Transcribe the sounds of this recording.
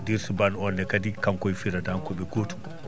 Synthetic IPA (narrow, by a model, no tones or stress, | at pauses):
diɾsubanɔndɛkadikamkɔjfiɾadaŋkɔɓɛɡotu̥